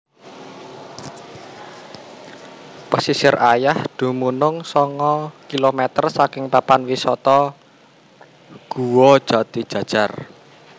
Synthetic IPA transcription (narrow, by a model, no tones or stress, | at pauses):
pəsisɪrʔajahd̪̥ṳmunʊŋsɔŋɔkilomɛt̪ərsakɪŋpapanwisɔt̪ɔ | ɡ̥uwɔ̥ʒ̥ä̤t̪id̥ʒ̥ä̤̥ʒ̥a̤r